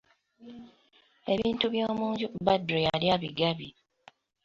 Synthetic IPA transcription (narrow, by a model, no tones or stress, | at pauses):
e̞βiːntuβjoːmuːɲɟubadɾijaljaβiɡaβi